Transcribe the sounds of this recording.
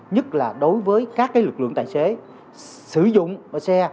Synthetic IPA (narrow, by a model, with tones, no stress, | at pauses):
ɲə˦˥t̚laː˨˩ɗo˨˦jvəː˨˦jkaː˦˥k̚ːaː˨˦jlɨ˨˩k̚lɨ̰˧˨əŋt̪ːse˨˦ | sɨ˧˩zʊ̰˧˨ŋ͡msɛ˧